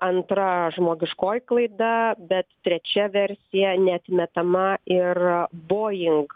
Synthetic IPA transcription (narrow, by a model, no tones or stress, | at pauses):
ɐnt̪ɾɐʒmoːɡʲɪʃkoːjklˠɐɪd̪ɐbʲɛt̪t̪ʲɾʲɛt͡ʃʲɛʋʲɛɾʲsʲɪjɛnʲɛɐt̪ʲmʲɛt̪ɐmɐɪrboːjɪŋk